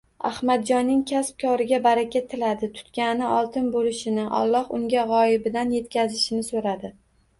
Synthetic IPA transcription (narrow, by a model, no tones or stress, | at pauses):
a̰hmad̪̚d͡ʒɒnːɪŋkʲʰasp̚kʰɒɾɪɡʲabaɾakʲat̪ʰːɪlad̪ɪt̪ʰʊ̥t̪kʲanɪʔɒlˠt̪ʰɪnbolɪʃɪnɪʔa̰lˠːɒhʊŋɡʲaʁɒjɪbɪd̪anje̞t̪̚kʲʰazɪʃɪnɪsoɾad̪ɪ